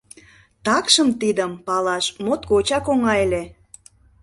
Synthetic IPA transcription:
t̪ɑkʃəmt̪id̪əmpɑlɑʃmot̪kot͡ɕɑkoŋɑele

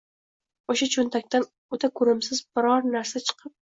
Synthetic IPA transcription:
oʃat͡ʃʰʊnt̪ʰak̚ʲt̪an | ot̪ʰakʰʊɾɪmsɪzbɪɾɒɾnaɾsat͡ʃʰɨ̥qʰɨp̚

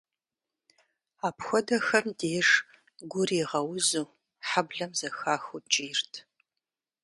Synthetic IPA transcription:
aːpxʷɔdɐxɐmdeːʐ | ɡʷʊriːʁɐwʊzuː | ħabɮɐmzɐxaːxut͡ʃʼiːrtʰ

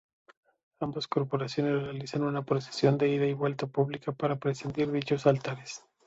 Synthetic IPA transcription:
ambosko̞ɾpo̞ɾasjo̞nesre̞alisanunapɾo̞se̥sjo̞nd̪e̞iðaiβwe̞lt̪apuβlikapaɾapɾesind̪iɾðit͡ʃo̞salt̪aɾes

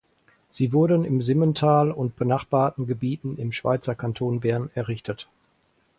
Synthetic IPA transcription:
z̥iːvʊɐdənɪmzɪməntʰaːlʊnt̚b̥ənaχb̥aːɐtn̩ɡəbiːtn̩ɪmʃv̥a̰ɪt͡sɐkʰantʰoːnbɛɐnɛɐʁɪçtət

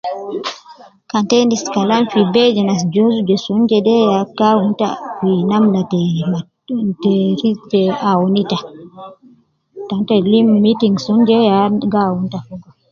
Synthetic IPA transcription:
kantɛniskalamfibɛd͡ʒɛnas̬d͡ʒozudɛsɔnd͡ʒɛdɛjakawunta̰finamnaɛ | tɛɾitɛawunita | tantɔlimːitiŋɡsɔnd͡ʒɛjaɡawuntafuɡɔ

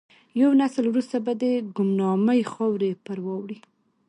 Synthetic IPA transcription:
jawnasəlwɾust̪abad̪əɡʊmnɑməjxɑwɾepəɾwɑwɽi

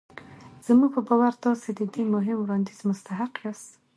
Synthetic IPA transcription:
z̥əmuɡ̚pəbɑwaɾt̪ɑsed̪əd̪emʊɦɪmwɾɑnd̪izmʊst̪aɦaqjɑst̪

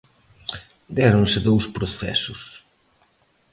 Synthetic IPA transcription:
d̪ɛɾonsɪðowspɾoθɛ̰sʊs

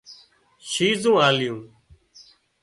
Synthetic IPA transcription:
ʃiːzũːaːljũː

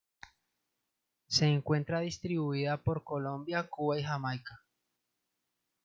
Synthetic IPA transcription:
se̞ːŋkwe̞nt̪ɾaðist̪ɾiβuiðapo̞ɾko̞lo̞mbjakuβaixamajka

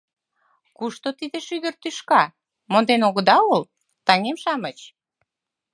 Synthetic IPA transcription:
kuʃt̪ot̪id̪eʃyɣərt̪yʃkɑ | mond̪enoɣə̆d̪ɑul | t̪ɑŋemʃɑmət͡ɕ

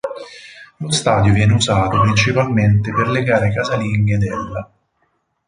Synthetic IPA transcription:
lost̪aːd̪jovjɛːneuzaːt̪opɾint͡ʃipalment̪eperleɡaːɾekazaliɲɡed̪ɛlːa

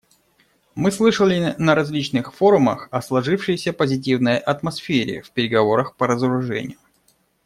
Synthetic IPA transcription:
mɨslˠɨʂəlʲɪnəɾɐzʲlʲit͡ɕnɨxfo̞ɾʊmə̰xɐslˠɐʐɨfʂɨjɪsʲəpəzʲɪt̬ʲivnəjʔɐt̪mɐsfʲeɾʲɪ̰fʲpʲɪɾʲɪɡɐvo̞ɾəxpəɾəzəɾʊʐɛ̰nʲɪ̰jʊ

